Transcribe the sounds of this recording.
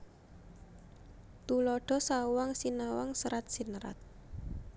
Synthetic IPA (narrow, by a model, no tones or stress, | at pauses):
t̪ulɔɖ̥ɔ̤sawaŋsinawa̰ŋsəɾat̪̚sinɾa̰t̪̚